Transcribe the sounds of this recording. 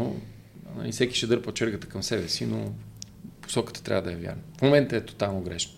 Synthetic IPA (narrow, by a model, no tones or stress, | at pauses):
o̰ | nɐ̰lifsɛki̥ʃɛd̪ɤɾpot͡ʃɛɾɡət̪ə̥kɐmsɛbɛsino | po̥sɔkə̥t̪ə̥t̪ɾʲa̰vəd̪ɐjɛvja̰ɾnəfmomɛnt̪əɛt̪o̥t̪alˠnoɡɾɛʃk